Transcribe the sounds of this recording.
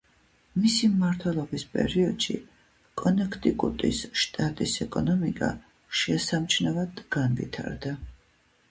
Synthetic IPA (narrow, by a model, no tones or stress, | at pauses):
misimːaɾt̪ʰwɛlˠɔbispʼɛ̰ɾiɔd̪̥ʃḭ | kʼɔnɛkʰt̪ʼikʼṵt̪ʼḭsʃt̪ʼat̪ʼisɛkʼɔnɔmikʼa̰ | ʃɛsamt͡ʃʰnavad̪̥ɡ̥anvḭt̪ʰa̰ɾd̪a